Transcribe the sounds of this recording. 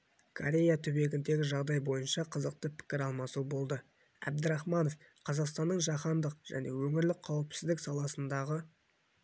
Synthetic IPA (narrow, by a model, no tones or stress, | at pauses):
kʰoɾʲe̞jat̪ʰɵbe̞ɡʲɪnd̪e̞ɡʲɪʒɑʁd̪ɑjbo̞jənʃɑqʰəzəq̚t̪əpʰɪ̥kʲɪɾɑlˠmɑsubo̞lˠd̪ə | æ̰b̚d̪ɪɾɑχmɑno̞f | qʰɑzɑqst̪ɑnːəɴʒɑqɑnd̪əq̚ʒ̥æ̰ne̞wɵŋɪɾlɪkqʰɑwəpsɪzd̪ɪksɑlˠɑsənd̪ɑʁə